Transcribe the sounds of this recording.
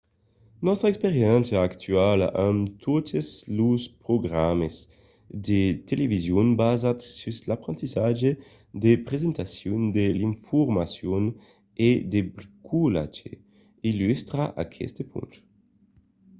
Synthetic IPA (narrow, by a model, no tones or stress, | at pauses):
nɔst̪ɾaekspeʁjɛnsjaːkt̪ʰɥala̰ʔamt̪ʰot̪ʰezluspɾoɡʁamez | d̪et̪elevizjunbazat̪syzlapɾent̪izad͡ʒe | d̪epʁezent̪asjund̪eliɱfoɾmasjon | ed̪ebɾikʰula̰t͡ʃḛ | ilyst̪ɾaʔa̰kʰɛ̰st̪epʰṵnt̪